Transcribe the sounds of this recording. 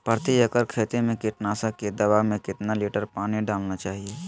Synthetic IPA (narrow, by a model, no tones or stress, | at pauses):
pəɾt̪ijəkəɾkʰeːt̪emẽkɪʈnaːsəked̪ɐʋamẽkɪt̪naliːʈəɾpaːniɖaːlnat͡ʃaːɦie